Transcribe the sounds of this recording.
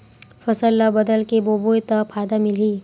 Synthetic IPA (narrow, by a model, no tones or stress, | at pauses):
fɐsəlːabɐd̪əlkeboːbojt̪ɐpʰaːd̪amɪliː